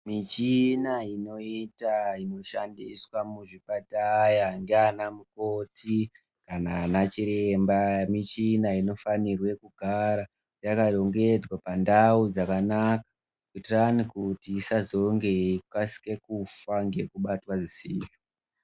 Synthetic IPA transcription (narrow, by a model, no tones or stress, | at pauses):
mit͡ʃinaino̞itaino̞ʃandiswamuʐipatajaŋɡeanamuko̞tʰi | kananat͡ʃiɾembamit͡ʃinaino̞fanirwe̞kuɡʱaɾa | jakaɗo̞ŋɡe̞d͡zwapandaud͡zakanakḁ | kutranikutiːsazo̞ŋɡe̞kasi̥ke̞kufaŋɡe̞kuɓatwaʐisiːfi